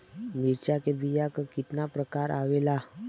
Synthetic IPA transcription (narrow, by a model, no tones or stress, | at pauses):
miɾt͡ɕakebijakkit̪napɾəkaɾaʋela